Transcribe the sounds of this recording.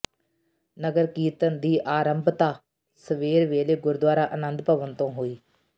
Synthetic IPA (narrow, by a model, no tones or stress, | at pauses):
nəɡəɾkiːt̪ənd̪iːʔaːɾəmbʱt̪aː | səʋeːɾʋeːleːɡʊɾd̪waːɾaːʔənənd̪pəʋənt̪õːɦoːiː